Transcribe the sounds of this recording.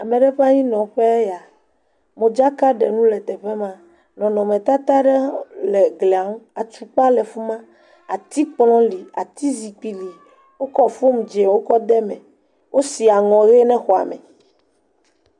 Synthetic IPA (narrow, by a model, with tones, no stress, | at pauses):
a˨mẽ˨ɖɛ˦ɸa˦ɲĩ˦nɔ̃˨ɸɛ˦ja˨ | mõ˨d͡ʒa˦ka˦ɖɛ˨nũ˦lɛ˨t̪ɛ˨ɸɛ˦mã˦ | nɔ̃˨nɔ̃˨mɛ̃˨t̪a˦t̪a˦ɖɛ˦lɛ˨ɡlɛ˨a˨˦wa˨t͡ʃu˨k͡pa˦lɛ˨fu˦mã˦ | a˨t̪i˦k͡plɔ̃˦li˨a̰˨t̪i˦zi˨k͡pi˨li˨ | wo˦kɔ˦fo˦m˨d͡ʒe˨wo˦kɔ˦d̪ɛ˦mɛ̃˨ | wʔo˦si˨a˨ŋɔ̃˨ɣe˦nɛ̃˦xɔ˨a̰˨mɛ̰̃˨